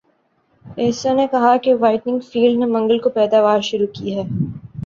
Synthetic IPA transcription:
ɛːsonekɐɦakeʋaːɪʈnɪ̃ŋɡfiːlɖnemɐ̃ŋɡəlkopɛːd̪aːʋaːɾʃʊɾukiɦɛː

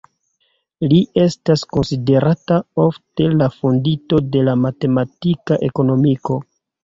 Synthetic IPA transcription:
liʔe̞stasko̞nside̞ɾatao̞fte̞lafondito̞de̞lamate̞matikaʔe̞ko̞no̞miko̞

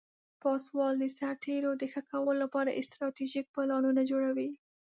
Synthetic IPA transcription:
pɑswɑld̪əsaɾt̪ʰeɾod̪əxəkawəlolapɑɾaʔɪst̪ɾɑt̪iʒik̚pəlɑnunad͡ʒoɽawi

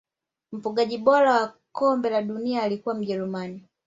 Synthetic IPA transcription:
m̩puɠaʄiɓɔɾawa | kɔmbɛlaɗuniaːlikuwam̩ʄɛɾumani

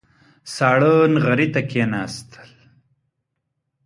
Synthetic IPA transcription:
saːɽəːnɣɐɾit̪akeːnaːst̪ʰə̥l

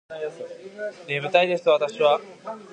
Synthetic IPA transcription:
d̪emɯ̟t̪aid̪e̞sɨ̥t̪oat̪aɕiβa

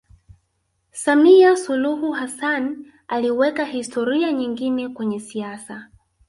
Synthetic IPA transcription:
samiasuluhuhasan | aliwɛkahistʰɔɾiaɲiŋɡinɛkwɛɲɛsiasa

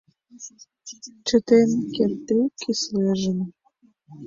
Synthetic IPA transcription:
t͡ɕə̆t̪enkent̪ikʰisleʒə̆n

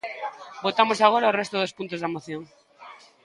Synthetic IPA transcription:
bot̪amosaɣoɾaorɛst̪ʊðospunt̪ozðamoθjoŋ

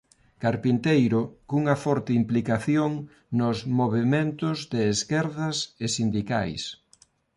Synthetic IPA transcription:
kaɾpint̪ejɾʊkuŋɐfɔɾt̪ɪimplikaθjoŋ | nʊzmoβemẽnt̪ʊzðɪːskɛɾðɐsesind̪ika̰js

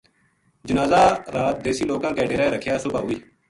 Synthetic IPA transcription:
d͡ʒənaːzaːɾaːt̪̚d̪eːsiːloːkãːkɛːɖeːɾaːeːɾəkʰjaːsʊbaːɦʊiː

